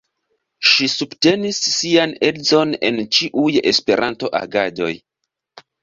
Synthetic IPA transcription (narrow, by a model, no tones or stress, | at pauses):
ʃisubte̞nisːiane̞zo̞ne̞̰nt͡ʃiʔujḛspe̞ɾʔanto̞ʔa̰ɡado̞̰j